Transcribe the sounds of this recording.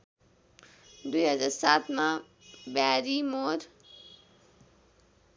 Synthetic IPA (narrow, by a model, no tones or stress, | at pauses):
d̪uiɦəzaːɾsaːt̪mã | baːɾimoːɾ